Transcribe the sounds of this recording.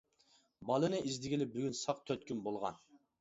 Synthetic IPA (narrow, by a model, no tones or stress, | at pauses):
bɑlˠɨnɨʔizd̪ɪɡʲilɪp̚byɡʲynsɑqt̪ʰøt̪̚kʲymbolˠʁɑ̰n